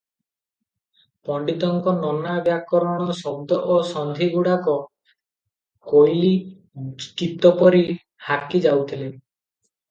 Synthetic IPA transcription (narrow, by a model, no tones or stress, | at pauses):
pɔɳɖit̪ɔŋkɔnɔnabjakɔɾɔɽ̃ɔsɔb̚d̪ɔʔosɔnd̪ʱiɡuɽakɔ | kojli | kit̪ɔpɔɾi | hakid͡ʒawt̪ʰile